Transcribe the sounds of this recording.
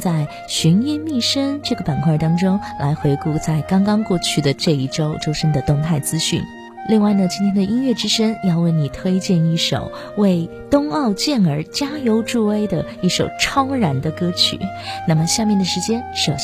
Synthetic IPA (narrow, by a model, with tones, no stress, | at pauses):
t͡sa˥˩ɪ | ɕy˧˥ni˥˧nmi˥˩ʂə˥ŋʈ͡ʂɤ˥˩ɡə˩pa˨˩nkʰwa˥˩t̪ɑ˥ŋʈ͡ʂʊ˥ŋlʔa̰˧˥ɪxwe˧˥ɪku˥˧t͡sa˥˩ɪkɑ˥ŋkɑ˥ŋkwɔ˥˧t͡ɕʰy˥˩d̪ə˩ʈ͡ʂɤ˥˧i˥˩ʈ͡ʂo˥ʊʈ͡ʂo˥ʊʂə˥nd̪ə˨t̪ʊ˥˧ŋt̪ʰa˥˩ɪt͡sɹ̩˥ɕy̰˥˩n | li˥˧ŋwa˥˩ɪnə˩t͡ɕi˥nt̪ʰjɛ˥ndə˧ʔi˥nɥɛ˥˩ʈ͡ʂɻ̩˥ʂə˥ŋjɑ˥˧ʊwe˥˩ɪni˨˩t̪ʰwe˥ɪt͡ɕjɛ˥˧ni˥˩ʂo̰˨˩ʊ | we˥˩ɪ | t̪ʊ˥ŋɑ˥˧ʊt͡ɕjɛ˥˩nə˞˧˥t͡ɕja˥jo˧˥ʊʈ͡ʂu˥˧we˥ɪd̪ə˨i˥˩ʂo˨˩ʊʈ͡ʂʰɑ˥ʊɻa˧˥nd̪ə˧kɤ˥t͡ɕʰy̰˨˩˦ | na˥˩mə˩ɕja˥˧mjɛ˥˩nd̪ə˩ʂɻ̩˧˥t͡ɕjɛ˥nʂo˨˩